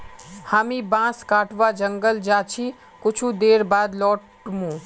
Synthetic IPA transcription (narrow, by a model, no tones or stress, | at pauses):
haːmĩbãːskaːʈʰʋad͡ʒəŋɡəld͡ʒaːt͡ʃʰi | kʊt͡ʃʰud̪eːɾbaːd̪lɔːʈ | mũː